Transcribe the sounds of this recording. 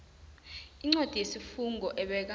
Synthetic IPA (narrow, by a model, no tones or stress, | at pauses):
iŋ͡ǀod̥ʱijesifuŋɡʱɔʔɛɓɛk̬a